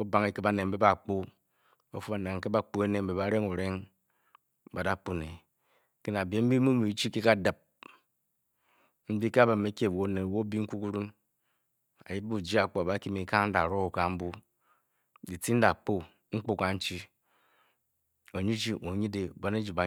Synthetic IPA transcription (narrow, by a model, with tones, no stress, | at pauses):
o˦ba˨ŋe˨ke˦ba˨ne˨m̩˦be˦ba˨k͡po˦ | o˨fu˦ba˨ne˨ŋ̩˨ke˦ba˦k͡po˦e˦ne˨m̩˨be˨ba˨˦ɾe˦ŋu˨ɾe˦ŋ | ba˨da˦k͡pu˦ne˨ | ke˦na˨be˨˦m̩˦bi˦mu˦mi˨˦t͡ʃi˦ke˦ka˦˨da˨p̚ | m̩˦bi˦ke˦a˦ba˨me˦kʲe˦˨wo˦ne˨wo˦bi˦ŋ̩˦ku˦ku˦ɾu˦n | a̰˨ji˦bbu˦˨d͡ʒi˦a˨k͡po˨a˨ba˦ki˦mi˨˦ka˦ŋ˦n̩˦da̰˨ɾo˦o˨ka˨m̩˦bu˦ | di˨ti˦n̩˦da˨k͡po˦ | ŋ͡m̩˦k͡po˦ka˨n̩˦t͡ʃi˦ | o˨ɲi˦d͡ʒi˦ʔo˨ɲi˦de˨ba˦ne˦d͡ʒi˨ba˨